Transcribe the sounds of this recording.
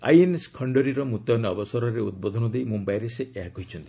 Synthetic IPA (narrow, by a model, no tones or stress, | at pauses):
a̰jeneskʰɔɳɖɔɾiɾɔmut̪jɔneɔbɔsɔɾɔɾeṵd̪̚bod̪ʱɔnɔd̪ejmumbajɾeseeɦakoɦijt͡ʃʰɔnt̪i̥